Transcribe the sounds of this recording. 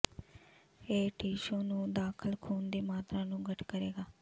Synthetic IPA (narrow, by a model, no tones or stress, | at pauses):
eːʈiːʃõːnũːd̪aːkʰəlkʰuːnd̪eːmaːt̪ɾaːnũːɡəʈʰkəɾeːɡaː